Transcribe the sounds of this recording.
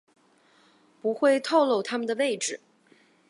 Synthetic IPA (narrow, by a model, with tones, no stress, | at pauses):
pu˧˥xwe˥˧ɪt̪ʰo˥˧ʊlo˥˩ʊt̪ʰa˥mə˨nd̪ə˩we˥˩ɪʈ͡ʂɻ̩˨˩